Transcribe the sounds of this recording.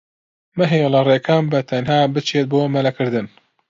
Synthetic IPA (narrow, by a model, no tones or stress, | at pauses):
mɨɦelɐreːkʰɐmbɐt̪ʰɐnɦaːbɨt͡ʃʰeːt̪̚boːmɐlɐkɨɾd̪ɨn